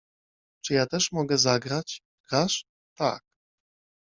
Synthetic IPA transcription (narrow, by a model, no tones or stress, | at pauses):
t͡ʂɨjat̪ɛʂmɔɡɛzaɡɾat͡ɕ | ɡ̥ɾaʂ | t̪a̰k̚